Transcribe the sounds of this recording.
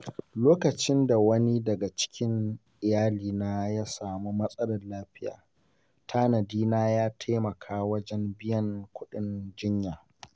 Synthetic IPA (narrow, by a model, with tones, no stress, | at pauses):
loː˦kɐ˨t͡ʃɪ˦nda˨wɐ˦ni˦dɐ˨ɡa˨t͡ʃɪ̥˦kʲɪ˦ŋʔɪ˨jaː˦liː˨naː˦jaː˦saː˨mu˦mɐ˦sʼɐ˦lɐ˨rlaː˦ɸɪ˦ja̰ː˨ | tʰaː˦nɐ˨diː˦naː˦jaː˦tʰa˦mɐ˨kʰaː˦wɐ˦d͡ʒɛ˦mbɪ˦jɐ˦ŋkʷʊ˦ɗɪ˦nd͡ʒɪ˦ɲjaː˨